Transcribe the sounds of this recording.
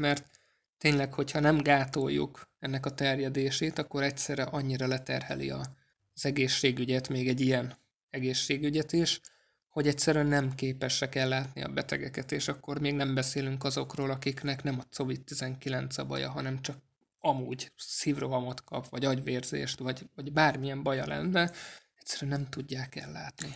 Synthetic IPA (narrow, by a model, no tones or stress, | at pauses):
mɛrt̪ː | eːɲlɛkho̞chɒnɛmɡaːt̪o̞jːṵkɛnːɛkɒt̪ɛrjɛd̪eːʃeːt̪ɒkːo̞ɾɛctsɛɾɛʔɒɲːiɾɒlɛt̪ɛ̰rhɛ̰lḭɒ | z̥ɛɡeːʃːeːɡyɟɛt̪meːɡɛɟijɛn | ɛɡeːʃːeːɡyɟɛt̪iʃ | ho̞ɟɛc̚tsɛɾyɛnːɛmkeːpɛʃɛkɛlːaːt̪nḭɒ̰bɛt̪ɛɡɛkɛt̪eːʃɒkːo̞rmeːɡnɛmbɛseːlyŋkɒzo̞kroːlɒkiknɛknɛmɒt̪so̞vit̪ːizɛŋkilɛnt̪sɒbɒ̰jɒ̰ɦɒnɛmt͡ʃɒk̚ | ɒmuːɟsiːvro̞ɦɒmo̞t̪kɒ̰pvɒɟɒɟʋeːrzḛːʃt̪ʋɒɟvɒɟbaːrmijɛmbɒjɒlɛ̰nːɛ | ɛcsːɛɾyɛnnɛmt̪uɟːaːkɛlːaːt̪ni